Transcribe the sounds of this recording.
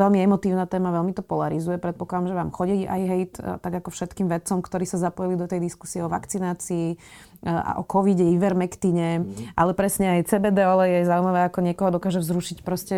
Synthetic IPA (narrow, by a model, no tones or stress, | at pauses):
ʋɛlmiɛmɔt̪iːʊnat̪ɛːmaʋɛlmit̪ɔpɔlaɾizujɛpɾɛt̪̚pɔklad̪amʒɛʋaːmxɔɟiʔa̰jɦɛjt̪t̪ːaɡakɔfʃɛt̪kiːmʋɛt͡sɔmkt̪ɔɾiːsazapɔjilid̪ɔt̪ɛjd̪isku̥siɛɔʋa̰kt͡sinaːt͡siː | ʔa̰ʔɔ̰kɔʋiɟɛiʋɛɾmɛkt̪iɲɛʔa̰lɛpɾɛsɲɛajt͡sɛːbɛːd̪ɛɔlɛjɛzauimaʋɛːakɔɲɪɛkɔɦɔd̪ɔkaːʒɛvzɾuʃicpɾɔscɛ